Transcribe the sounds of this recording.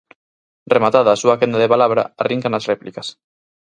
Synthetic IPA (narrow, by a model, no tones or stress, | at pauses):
remat̪aðaːsuakend̪aðepalaβɾa̰ariŋkanasreplikas